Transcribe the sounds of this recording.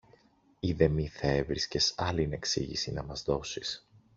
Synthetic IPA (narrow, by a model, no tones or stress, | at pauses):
iðe̞miθɐe̞vɾisce̞sɐline̞ksḭʝḭsinɐmɐzðo̞sis